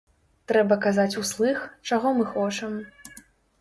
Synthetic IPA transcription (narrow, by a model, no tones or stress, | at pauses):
t̪ɾɛbɐkazat͡sʲuslˠɨxt͡ʂaɣɔmɨxɔt͡ʂɐm